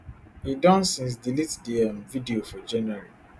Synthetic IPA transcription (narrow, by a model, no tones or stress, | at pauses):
hidɔ̃nsĩns̬dilitdeãnvidiofɔd͡ʒɛnɛɹi